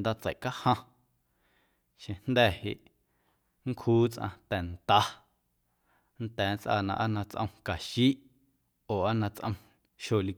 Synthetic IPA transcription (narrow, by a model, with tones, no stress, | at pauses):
nd̪a˦t͡sə̰˨ʔka˦hã˧ | ʃẽ˧nd̪ɛ˦˨he˨ʔ | ŋ˦kʰuː˦t͡sʔã̰˧t̪ɛ˨nt̪a˦ | n̩t̪ɛː˨˦nt͡sʔa̰˧˨nã̰˧ʔa˦nã˧t͡sʔə̰̃˧w̃ka˨ʃiː˦ʔ | oː˨a˦nã˧t͡sʔə̰̃˧w̃ | ʃo˨li˧